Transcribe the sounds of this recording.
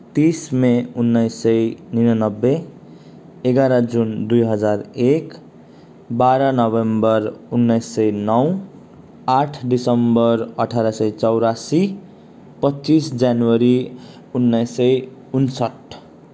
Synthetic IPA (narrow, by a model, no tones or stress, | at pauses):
t̪ismeunːʌjsːʌjninʌnʌbːe | eɡaɾʌd͡zund̪ujɦʌd͡zarek | baɾʌnʌbembʌrunːʌjsːʌjnʌw | aʈʰɖisʌmbʌrʌʈʰaɾasʌjt͡sʌwɾasi | pʌtːt͡sisd͡zjanwʌɾi | unːʌjsʌjunsʌʈ